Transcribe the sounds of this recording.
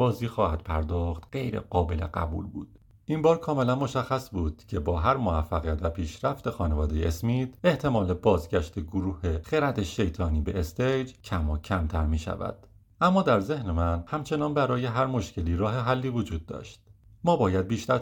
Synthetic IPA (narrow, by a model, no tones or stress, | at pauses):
b̥ɒːziːxɒːhæd̪̥pʰæɾd̪ɒːxt̪ɢe̞jɾḛɢɒːbe̞le̞̰ɢæ̰bṵːlbṵːd̪̥ | ʔimbɒːɾkʰɒːme̞lænmo̞ʃæxːæsbuːd̪̥cʰe̞bɒːɦæɾmovæfːæɣijæt̪væpʰiːʃɾæft̪e̞xɒːne̞vɒːd̪e̞jeʔesmiːd̪̥eht̪ʰe̞mɒːle̞bɒːzɟæʃt̪ʰe̞ɡoɾuːhe̞xeɾæt̪ʰeʃe̞jt̪ʰɒːniːbe̞̰est̪ejd͡ʒcʰæmɒːcʰæmt̪ʰæɾmiːʃæ̰væ̰d̪̥ | ʔæmːɒːd̪æɾze̞hnemænhæmt͡ʃʰe̞nɒːnbæɾɒːje̞ɦæɾmo̞ʃce̞liːɾɒːɦe̞ɦælːiːvod͡ʒuːd̪̚ːɒ̰ːʃt̪̚ | mɒːbɒːjæd̪̚biːʃt̪æɾ